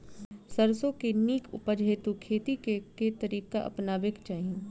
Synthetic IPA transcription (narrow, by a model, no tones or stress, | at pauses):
səɾsõkeniːkʰʊ̰pəd͡ʒʱeːt̪ukʰeːt̪ikeket̪ɐɾiːkaʔɐ̰pnaːʋekt͡ʃaːɦi